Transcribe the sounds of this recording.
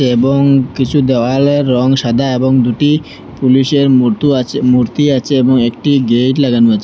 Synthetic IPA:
eeboŋkit͡ɕʰud̪ɛwaleɾːɔŋʃad̪ʱaeboŋd̪uʈi | puliʃeɾmt̪uamuɾt̪iat͡ɕʰeeboŋek̚ʈiɡeʈlaɡanuat͡ɕʰe

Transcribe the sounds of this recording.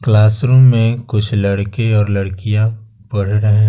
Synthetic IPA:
klaːsɾuːmːẽkʊt͡ʃʰlɐɽkeɔːɾlɐɽkijã | pɐɽ̤ɾəɦẽɦ

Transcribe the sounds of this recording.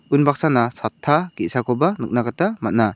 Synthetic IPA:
unbak̚sanasatʰːaɡit̚sakʰɔbanɯk̚nakatamat̚na

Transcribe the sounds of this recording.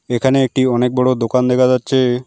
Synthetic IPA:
ekʰaneek̚ʈiɔnek̚bɔɽod̪okand̪ɛkʰad͡ʑatːɕʰe

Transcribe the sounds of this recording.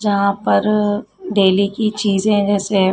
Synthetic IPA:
d͡ʒɐɦãpɐɾɖeːlikit͡ʃiːzẽɦɛ̃d͡ʒɛːse

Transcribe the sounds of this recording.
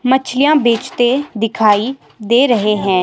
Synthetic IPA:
mət͡ʃʰlɪjãːbeːt͡ʃt̪eːd̪ɪkʰaːiː | d̪eːɾəɦeːɦɛ̃ː

